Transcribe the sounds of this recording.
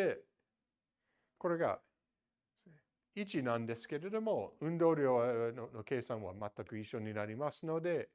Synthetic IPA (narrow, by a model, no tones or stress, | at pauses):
e | ko̞ɾe̞ɡa̰ | it͡ʃinãnd̪e̞sɨ̥ke̞ɾe̞d̪o̞mo̞ɯ̟̃nd̪o̞ːɾʲjo̞ːno̞ke̞ːsãɰ̃βamat̪ːakɯ̟iʃːo̞ɲ̟inaɾʲimasɨno̞d̪e̞